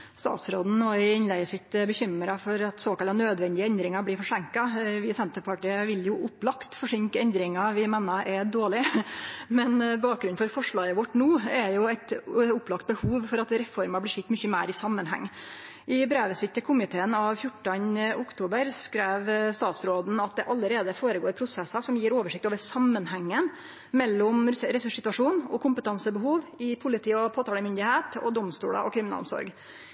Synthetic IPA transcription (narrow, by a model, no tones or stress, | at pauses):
st̪ɑ̰ːt̪sɾoːd̪n̩oɪɪnlæɪəsɪt̪ːbəçʏməɾɑfɔɾɑt̪soːkɑlɑnøːd̪ʋɛnd̪ɪəɛnd̪ɾɪŋɑblɪfɔʂæŋkɑʋɪsɛnt̪əpʰɑʈiːəʋɪljʊʔʊplɑkt̪fɔʂɪŋkəɛnd̪ɾɪŋɑʋɪmeːnɑʔɛd̪oːɭɪ | mɛnbɑːk̚ɡɾʉnfɔɾfɔʂɭɑːəʋɔʈːnuːɛjʊæt̪ʊplɑkt̪̚bəhuːʋfɔɾɑt̪ɾɛfɔɾmɑblɪʂɪt̪ːmʏçəmæːɾɪsɑmːənɦæ̰ŋː | ʔɪbɾeːʋəsɪt̪ːəkʰʊmɪt̪ʰeːənɑʋfjʊʈːənəʔʊkt̪ʰuːbəɾskɾeːʋst̪ɑːt̪sɾoːd̪n̩ɑt̪̚d̪ɛʔɑlːəɾeːd̪əfoːɾəɡoːɾpʰɾʊsɛsːəsɔmjiːɾoːʋəʂɪkt̪oːʋəɾsɑmːənhæŋːən | mɛlːɔmɾɛsʉʂsɪt̪ʉɑʂuːnɔkʰʊmpət̪ʰɑnsəbəɦuːʋɪpʰʊlɪt̪ʰiːɔpʰoːt̪ɑːləmʏnd̪ɪheːt̪ɔ̰d̪ɔmst̪ṵːɽə̰ʔɔ̰kʰɾɪmɪnɑ̰lɔ̰msɔ̰ɾɡ